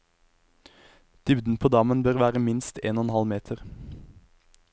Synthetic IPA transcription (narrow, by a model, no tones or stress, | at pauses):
d̪̥ʏʋd̪n̩pʰoːd̪ɑmənbøːʁʋæːʁəmɪnst̪ʰeːnɔnhɑlmeːt̪ʰəʁ